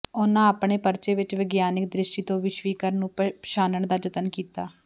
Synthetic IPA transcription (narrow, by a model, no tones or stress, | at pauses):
ʊnãːapɳeːpəɾt͡ʃeːʋɪt͡ʃʋɪɡjaːnɪk̚d̪ɾɪʃʈiːt̪õːʋɪʃʋiːkəɾnũːʃaːnəɳd̪aːd͡ʒət̪ənkiːt̪aː